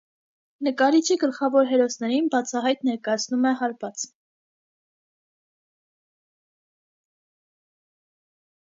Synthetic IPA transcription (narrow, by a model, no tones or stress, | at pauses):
nəkɑɾit͡ʃʰiɡəlχɑvɔɾɦɛɾɔsnɛɾinbɑt͡sʰɑɦɑjt̪nɛɾkɑjɑt͡sʰnumɛɦɑɾvɑt͡s